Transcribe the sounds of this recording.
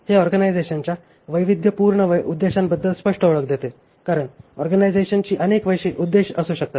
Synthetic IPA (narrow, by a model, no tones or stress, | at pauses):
heɔɾɡənajd͡zeɕənt͡ɕja | ʋəjʋid̪jəpuɾɳəʋəud̪ːeɕambəd̪ːəlspəʂʈəoɭək̚d̪et̪e | kaɾəɳɔɾɡənajd͡zeɕənt͡ɕiːʔənekʋəjɕiːʔud̪ːeɕəsuːɕək̚t̪at̪